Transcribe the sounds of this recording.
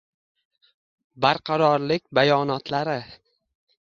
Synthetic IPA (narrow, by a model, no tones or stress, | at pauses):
baɾqʰɑɾɒɾlɪk̚ʲbajɒnɒt̪laɾɪ